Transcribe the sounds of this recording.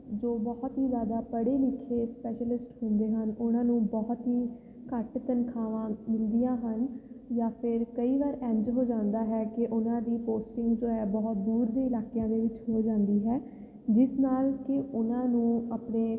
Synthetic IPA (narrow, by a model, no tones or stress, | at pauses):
d͡ʒoːbɔːt̪ɦiːzjaːd̪aːpəɽeːlɪkʰːeːspɛːʃəlɪsʈhʊ̃nd̪eːɦənʊnãːnũːbɔːt̪ɦiː | kəʈt̪ənkʰaːʋãːmɪld̪ijãːɦən | jaːpʰɪɾkəiːʋaːɾɛ̃ːɲd͡ʒɦoːd͡ʒãːnd̪aːɦɛːkɪʔʊnãːd̪iːpoːsʈɪŋɡd͡ʒoːɛːbɔːt̪̚d̪uːɾd̪iːɪlaːkejãːd̪eːʋɪt͡ʃɦoːd͡ʒãːnd̪iːɦɛː | d͡ʒɪsnaːlkɪʊnãːnũːəpneː